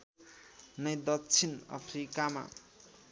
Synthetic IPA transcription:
nʌjd̪ʌtt͡sʰinʌ̰pʰrikama̰

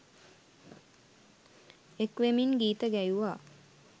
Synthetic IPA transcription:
ekʋemiŋɡiːt̪əɡæjuʋaː

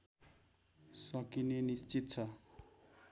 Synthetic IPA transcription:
sʌkinenist͡sit̪t͡sʰʌ

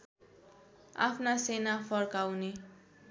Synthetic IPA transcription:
a̰pʰnasenafʰʌrkawne

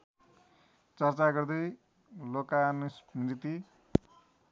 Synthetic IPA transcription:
t͡sʌrt͡saɡʌrd̪ʌj | lokanʌsrit̪i

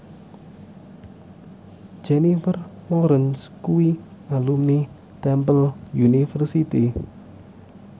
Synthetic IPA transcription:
d͡ʒenifərlɔɾənskuwialumi | t̪ɛmpəljunifərsit̪i

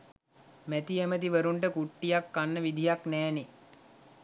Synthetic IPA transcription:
mæt̪iemət̪iʋəɾuɳʈəkuʈːijakːanːəʋid̪ʱijaknɛːne

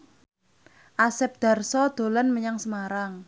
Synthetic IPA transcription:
ʔasɛp̚d̪̥a̤rsɔd̪̥o̤lanməɲaŋsəmaɾaŋ

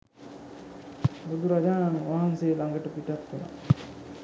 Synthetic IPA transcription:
ɾud̪uɾad͡ʒaːnanuʋaɦanseːlaŋɡəʈəpiʈak̪ːuna̰

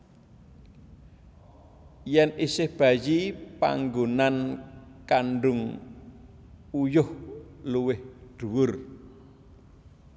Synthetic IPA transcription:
jɛnisɪhb̥ä̤jipa̰ŋɡonankaɳɖʊŋ | ujʊhluwɪhɖ̥ṳwʊr

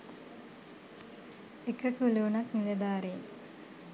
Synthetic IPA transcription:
ekəkuluunɐknilɐd̪aːɾen

